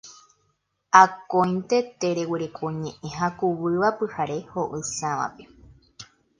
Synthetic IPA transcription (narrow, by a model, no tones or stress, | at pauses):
akõj̃nt̪et̪eɾewiɾe̞kʰoɲẽʔẽɦakuβɨʋapɨhaɾe̞hoʔɨsãʋa̰pe̥